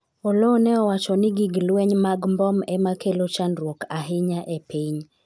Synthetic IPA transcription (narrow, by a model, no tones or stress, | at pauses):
ɔlonɛɔwat͡ʃɔnɪɡiɡlwɛɲmaɡmbɔmɛmakelot͡ʃandwokaɦɪɲaʔɛpiɲ